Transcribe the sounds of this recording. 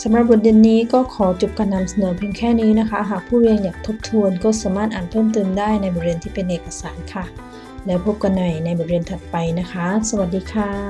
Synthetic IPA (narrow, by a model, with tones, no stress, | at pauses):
sa˨˩˦mɾa˧˩p̚bɔ˨˩t̪̚de˧ənːiː˦˥kɔː˥˩kʰɔː˩˦t͡ɕu˨˩p̚kaː˧nːa˧msa˧nɤː˨˩˦pʰi˧əŋkʰɛː˥˩niː˦˥na˦˥kʰa˦˥ɦaː˨˩k̚pʰuː˥˩wi˧əŋjaː˨˩k̚t̪ʰo˦˥p̚t̪ʰu˧ənkɔː˥˩saː˩˦maː˥˩t̪ʔaː˨˩n̚pʰɤː˥˩mt̪ɤː˧mdaː˥˩jna˧jbɔ˨˩t̚we˧ənt̪ʰiː˥˩pe˧nʔeː˨˩kːa˧saː˩˦nkʰa˥˩ | lɛː˦˥wpʰo˦˥p̚ka˧nːa˨˩jna˧jbɔ˨˩t̚we˧ənt̪ʰa˨˩t̪̚pa˧jna˦˥kʰa˦˥sa˧wa˨˩t̪̚diː˧kʰaː˧˩